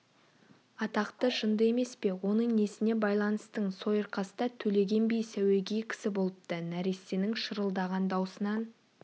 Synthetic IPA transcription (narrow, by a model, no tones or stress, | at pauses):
ɑt̪ɑqt̪əʒənd̪əe̞me̞spe̞wo̞nəɴne̞sɪne̞bɑjlˠɑnəst̪əɴso̞jəɾqɑsəd̪ɑt̪ʰɵle̞ɡʲe̞nbijsæwe̞ɡʲijkʲʰɪ̥sɪbo̞lˠəp̚t̪ənæɾesenɪŋʃəɾəlˠd̪ɑʁɑnd̪ɑwsənɑn